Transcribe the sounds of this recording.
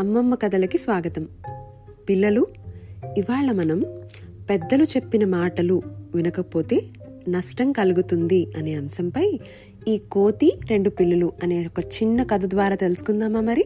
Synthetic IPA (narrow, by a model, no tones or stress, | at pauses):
ɐmːɐmːɐkɐd̪ɐlɐkisʋaːɡɐt̪ɐm | pilːɐlu | iʋaːɭːɐmɐnɐm | pɛd̪ːɐlut͡ʃe̞pːinɐmaːʈɐluʋinɐkɐpo̞ːt̪e̞ː | nɐʂʈɐmkɐluɡut̪und̪iɐne̞ːɐmsɐmpɐj | iːko̞ːt̪iɾe̞ɳɖupilːɐluɐneːokɐt͡ʃinːɐkɐd̪ɐd̪ʋaːɾaːt̪e̞lusu̥kund̪aːmaːmɐɾi